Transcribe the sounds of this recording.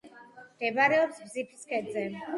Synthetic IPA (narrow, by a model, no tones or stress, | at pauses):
md̪̥ɛbaɾɛɔpsbzipʰskʰɛd̪zɛ